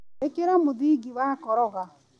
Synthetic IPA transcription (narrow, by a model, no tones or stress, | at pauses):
ekeɾamoðiːɡiwakɔɾɔɣa